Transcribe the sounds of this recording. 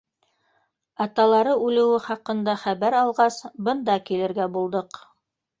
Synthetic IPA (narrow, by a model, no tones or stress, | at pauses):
ɑt̪ɑlˠɑɾɤʉlɘ̆wɘχɑqɤ̆nd̪ɑχæβæɾɑlˠʁɑsbɤnd̪ɑkilɘ̆ɾɡæbulˠd̪ɤq